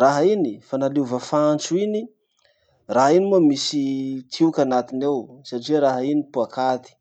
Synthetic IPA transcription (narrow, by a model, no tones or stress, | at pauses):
raɦainifanaluvəfant͡suini | raɦainimuamisit̪ʰiukʲanat̪inewsaʈ͡ʂiaɾaɦainipuakʰat̪i̥